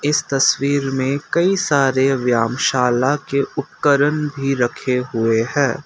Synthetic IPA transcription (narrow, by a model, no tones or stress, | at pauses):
ɪst̪ɐswiːɾmẽkɐisaːɾeʋjaːmʃaːlakeʊt̪̚kəɾənbʱiɾɐkʰeɦʊeɦɛ̃ː